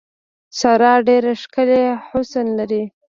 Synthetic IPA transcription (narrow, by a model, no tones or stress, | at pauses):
saɾɑɖeɾeʃkəleħʊsənlaɾi